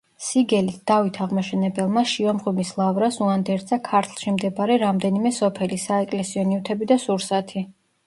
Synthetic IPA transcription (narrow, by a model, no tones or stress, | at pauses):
siɡɛlisd̪̥avit̪ʰaʁmaʃɛnɛbɛlˠmaʃiɔmʁwimislˠavɾasuand̪ɛɾd̪zakʰaɾt̪ʰlˠʃimd̪ɛbaɾɛɾamd̪ɛnimɛsɔpʰɛlisaɛkʼlɛsiɔniwt̪ʰɛbid̪asuɾsat̪ʰi